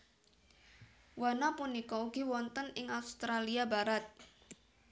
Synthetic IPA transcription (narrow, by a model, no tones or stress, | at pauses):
wanapunikɔuɡ̥i̤wɔnt̪ənɪŋaust̪ɾaliabaɾat̪̚